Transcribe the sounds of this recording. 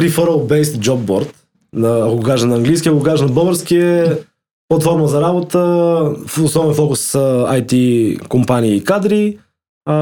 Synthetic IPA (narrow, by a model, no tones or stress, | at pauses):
pɾifoɾəlˠbɛjst̪d͡ʒɔb̚bɔɾt̪ | nɐakoɡokaʒɛnɐːŋɡlijskiəɐkoɡokaʒɛnɐbɤvəɾskiɛ | plˠɐt̪fɔɾməzɐɾabot̪əfʊsnɔbɛnfɔkʊsːəajt̪ikompaniːkad̪ɾi